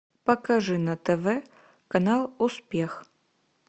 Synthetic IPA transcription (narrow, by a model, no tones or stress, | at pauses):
pɐkɐʐɨnɐt̪ɛvɛ | kɐnalˠuspʲex